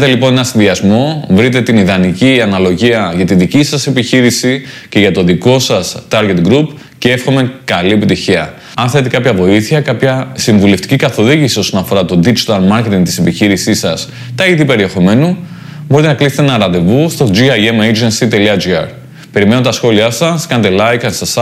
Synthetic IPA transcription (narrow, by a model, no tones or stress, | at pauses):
t̪e̞lipo̞ne̞nɐsinðiɐzmo̞vɾit̪e̞t̪iniðɐniciɐnɐlo̞ʝiɐʝɐt̪iðicisɐse̞piçiɾisi | ce̞ʝɐt̪o̞ðiko̞sɐst̪ɐɾɣe̞t̪ɡɾup | cee̞fxo̞me̞kɐliepit̪içiɐ | ɐnθe̞t̪e̞kɐpçɐvo̞iθiɐkɐpçɐsiɱvule̞ft̪i̥cikɐθo̞ðiʝisio̞sonɐfo̞ɾɐt̪o̞d̪id͡ʒit̪ɐlmɐɾce̞t̪iŋt̪i̥sepiçiɾisisɐs | t̪ɐiðipe̞ɾie̞xo̞me̞nu | bo̞ɾit̪enɐkliset̪enɐɾɐt̪e̞vust̪o̞d͡ʒiɐemejd͡ʒensit̪e̞liɐd͡ʒiɐ̰ɾ | pe̞ɾime̞not̪ɐsxo̞liɐsɐskɐnd̪elɐjkɐnsɐsɐ